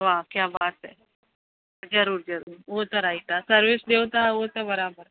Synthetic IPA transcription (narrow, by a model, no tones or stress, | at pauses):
ʋakjaːbaːt̪ɦɛ | d͡zəɾuːɾd͡ʒəɾuːɾʋot̪ɔɾait̪asəɾʋisd̪ewt̪aʋot̪ɔbəɾaːbəɾ